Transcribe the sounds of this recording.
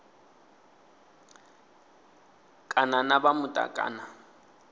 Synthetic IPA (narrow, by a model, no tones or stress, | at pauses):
kʼananabamʊtʼa̰kʼa̰ːna